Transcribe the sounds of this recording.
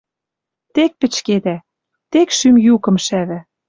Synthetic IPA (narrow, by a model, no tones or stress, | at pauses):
t̪ek̚pɘ̆t͡ɕked̪æ | t̪ekʃymjukɤ̆mʃæβæ̆